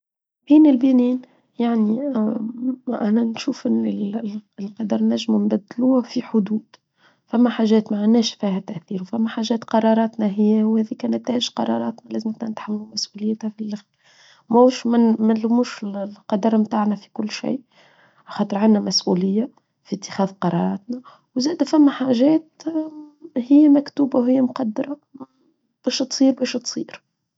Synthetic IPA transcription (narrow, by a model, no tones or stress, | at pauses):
biːnɪlbiːniːn | jaʕni | ʔænænʃuːfɪnilqɑd̪ɑɾˤnæʒːmnbæd̪ːluːhæfiħʊd̪uːd̪̥ | fæmːæħaːʒɛːt̪maʕanːɛːʃfiːhæt̪æʔθiːɾwfæmːæħaːʒɛːt̪qɑɾˤɑːɾˤɑːt̪næɦɪjːæwhæːðikænæt̪æːɪʒqɑɾˤɑɾˤɑːt̪nælæːzmɪt̪nænɪt̪ħamːlumæsʔuːlɪjt̪hæfilæx | mæʃmɪmælʊmuːʃɪllqɑd̪ɑɾˤmt̪aːʕnæfi̥kʊlːʃḭː | ʔaxɑːt̪ˤəɾʕanːæmæsʔulɪjːa | fit̪ːɪ̥xɛːðqɑɾˤɑ̰ɾˤɑ̰ːt̪næ | wzæːd̪æfæmːæħaːʒɛːt̪ | hɪjːæmækt̪uːbawhɪjːæmʊqɑd̪ːɑɾˤɑ | b̥æːʃt̪sˤiːɾbɛːʃt̪sˤiːɾ